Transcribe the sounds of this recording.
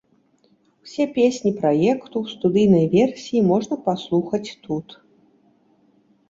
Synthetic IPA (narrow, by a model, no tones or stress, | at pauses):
sʲɛpʲesʲnʲipɾajɛkt̪uwst̪ud̪ɨjnɐjvʲɛrsʲijimɔʐnɐpaslˠuxɐt͡sʲt̪ut̪